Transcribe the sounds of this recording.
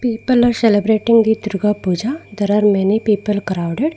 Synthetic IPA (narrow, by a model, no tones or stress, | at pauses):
piːpəlɔːɾselebɾeːʈɪ̃ŋɡd̪id̪ʊɾɡapuːd͡ʒad̪ɐɾaɾmɛnipiːpəlkɾaʊɖeɖ